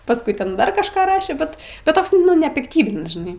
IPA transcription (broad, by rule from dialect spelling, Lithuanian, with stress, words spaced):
pɐsˈkʊɪ ˈtʲɛn ˈdɐr kɐʃˈkɑː ˈrɑːʃʲeː ˈbʲɛt ˈbʲɛt ˈtoːks nʊ nʲɛpʲɪkˈtʲiːbʲɪnʲɪs ʒʲɪˈnɐɪ